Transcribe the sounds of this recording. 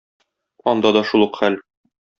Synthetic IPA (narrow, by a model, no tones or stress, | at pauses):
ɒnd̪ɑd̪ɒʃulˠɤqχæl